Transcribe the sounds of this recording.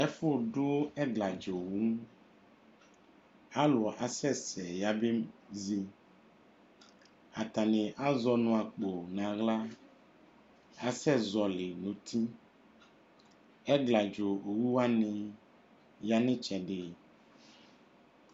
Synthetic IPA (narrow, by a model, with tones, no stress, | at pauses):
ɛ˦fo˦ɖo˦ɛ˦ɡla˨d͡ʒo˨wu˦ | a˦lɔ˨ʔa˨sɛ˦sɛ˨ja˨be˦zi˦ | a˨t̪a˨nẽ˨ʔa˦zɔ˦nũ˨a˨k͡po˨nã˨ɣla˦ | a˨sɛ˦zɔ˨le˨nũ˨t̪i˦ | ɛ˦ɡla˨d͡ʒo˨o˨wu˦wa˦nẽ˨ | ja˨nẽ˦t͡ʃɛ˨ɖe˨